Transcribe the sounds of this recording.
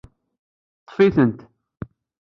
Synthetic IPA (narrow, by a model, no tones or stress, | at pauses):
t̪ˤːfiθənt̪